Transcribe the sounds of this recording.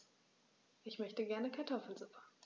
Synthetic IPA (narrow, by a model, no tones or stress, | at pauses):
ʔɪçmœçtəɡɛɐnəkʰaɐtʰɔfl̩zʊpə̥